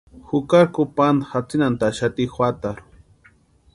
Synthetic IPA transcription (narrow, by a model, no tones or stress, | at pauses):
xʊkakupand̪xat͡sinant̪aʃat̪ixwat̪aɾu̥